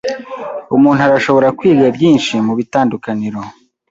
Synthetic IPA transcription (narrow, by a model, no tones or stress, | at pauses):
umuːn̥uaɾaʃo̞βo̞ɾakwiːɾiabjiːnʃimuβitaːndukaniɾo̞